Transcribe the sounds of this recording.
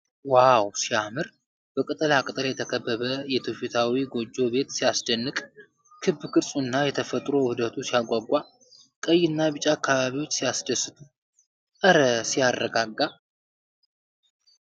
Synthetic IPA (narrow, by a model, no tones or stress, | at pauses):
wawsijamɨɾ | b̥əkʼɨt̪ʼɨlakʼɨt̪ʼɨljɛt̪ʰəkʰəbːəβəjɛt̪ʰofit̪ʰawiɡo̞d͡ʒːo̞be̞t̪sijasd̪ənːɨkʼ | kʰɨbːɨkʰʼɨɾsʼuɨnːajɛt̪ʰəfət̪ʼɾo̞hɨd̪ət̪ʰusijaɡʷaɡʷːa | kʼəjːɪnːabɨt͡ʃʼaːkʰːaβaβiwo̞t͡ʃːsijasd̪əsːɨt̪ʰu | əɾəsijarːəɡaɡːa